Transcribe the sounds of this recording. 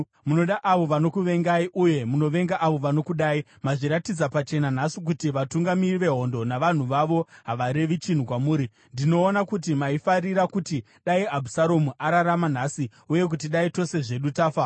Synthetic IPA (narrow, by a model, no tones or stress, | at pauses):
muno̞ɗaʔaʋo̞ʋano̞kuʋe̞ŋɡaiʔuje̞muno̞ʋe̞ŋɡaʔaʋo̞ʋano̞kuɗaːi | maʐiɾatid͡zapat͡ʃe̞nan̤asik̬utiʋatuŋɡamiriʋe̞ɦo̞ndo̞naʋan̤uʋaʋo̞ɦaʋaɾe̞ʋit͡ʃin̤ukwamuːɾi | ndino̞ːnakut̬imaifariɾakuti | ɗaiabʱusaɾomuʔaɾaɾaman̤asi | uje̞k̬utiɗaito̞se̞ʐe̞ɗutaːfa